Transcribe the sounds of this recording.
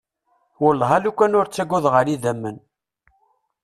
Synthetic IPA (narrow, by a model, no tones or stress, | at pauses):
wəlːʁælukʷːænʊɾt͡sːæɡʊðʁəɾiðæmːən